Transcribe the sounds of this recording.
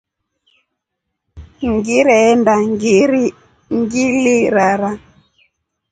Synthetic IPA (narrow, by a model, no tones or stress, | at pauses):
ŋɡiɾɛɛndaŋɡiɾi | ŋɡiliɾaɾa